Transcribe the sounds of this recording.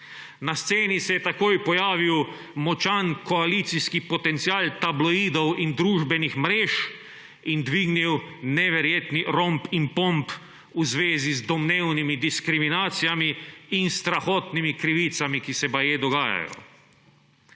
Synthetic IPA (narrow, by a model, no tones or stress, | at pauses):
nast̪seːnisɛjɛt̪akoːjpɔjaːʋiw | mɔt͡ʃankɔaliːt̪siskipɔt̪ɛnt̪siaːlt̪ablɔiːd̪ɔwind̪ɾuːʒbɛnixmɾeːʃ | ind̪ʋiːɡniwnɛʋɛɾjeːt̪niɾɔmpimpɔmp | uzʋeːzizd̪ɔmneːwnimid̪iskɾiminaːt̪sijamiːnst̪ɾaxɔːt̪nimikɾiʋit̪samikisɛbajeːd̪ɔɡaːja̰jɔ̰